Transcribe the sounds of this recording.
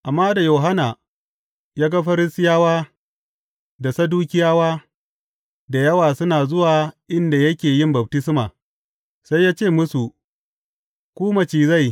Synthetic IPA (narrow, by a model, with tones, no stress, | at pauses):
ʔa˨mːaː˦da˨jo˨ɦa˦na˨ | jaː˦ɡa˦ɸɐ˦ɾɪ˦sɪ˦jaː˦waː˦ | da˨sɐ˦duː˦kʲɪ˦jaː˦waː˦ | da˨jɐ˦waː˨sʊ˦naː˨zʊ˦waː˨ʔɪ˦nda˨jɐ˦kʲeː˨jɪ˦mbɐ˨b̚tɪ˦sɪ˦maː˨ | sa˦jːaː˦t͡ʃeː˦˨mʊ˦su˨ | kʷuː˦mɐ˨t͡ʃiː˨za˦˨j